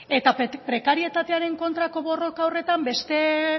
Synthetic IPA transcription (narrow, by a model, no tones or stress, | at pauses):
e̞t̪apɾe̞kaɾie̞t̪at̪e̞aɾe̞ŋko̞nt̪ɾako̞βo̞ro̞kaore̞t̪ambe̞st̪e̞